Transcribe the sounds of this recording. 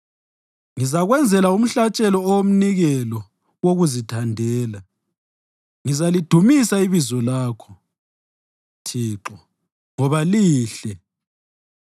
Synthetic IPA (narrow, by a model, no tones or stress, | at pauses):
ŋizaɣwɛnd͡zʱɛlaum̩ɬat͡ʃʼɛlɔːwom̩niɣɛlɔ | woɣuzitʰandʱɛːla | ŋizalid̥ʱumisaiβizɔlaːkʰɔ̥ | tʰiːǁɔ | ŋɔβaliːɬɛ